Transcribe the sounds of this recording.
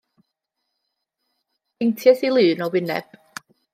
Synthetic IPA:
ɪntʰjɛsilˠɨːnɔwɪnɛ̰b̥

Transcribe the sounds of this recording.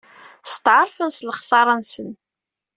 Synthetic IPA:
st̪ʕəɾˤfənslχsɑɾˤɑnsən

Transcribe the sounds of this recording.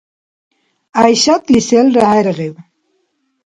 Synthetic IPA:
ajɕat̪liselɾahajɾɣew

